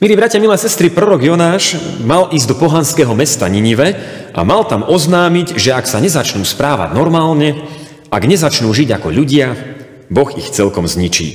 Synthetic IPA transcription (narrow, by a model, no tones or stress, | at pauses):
miliːbɾacɪamilɛːsɛst̪ɾipɾɔɾɔɡjɔnaːʃmalʔiːzʲd̪ɔpɔɦanskɛɦɔmɛst̪a̰ɲiɲiʋɛ | ʔa̰malt̪amɔznaːmiɟʒɛaksaɲɛzat͡ʃnuːspɾaːʋa̰ɟnɔɾmaːlɲɛ | ʔaɡɲɛzat͡ʃnuːʒiɟakɔʎuɟɪa | bɔɣḭxt͡sɛlkɔmzɲit͡ʃḭː